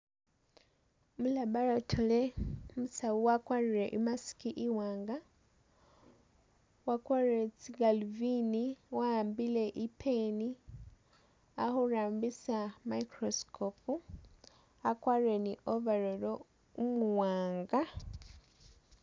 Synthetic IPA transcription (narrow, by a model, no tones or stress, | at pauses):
mulabaɾotʰolemusawuwakwaɾuɾe̞ʔimasi̥kiʔiwaːŋɡa | wakwaɾiɾet͡siɡaluviniwambile̞ʔipʰeni | ahoɾaːmbisamaikɾoskʰopu | akwaːɾiɾe̞niʔovaɾolo | umuwaːŋɡa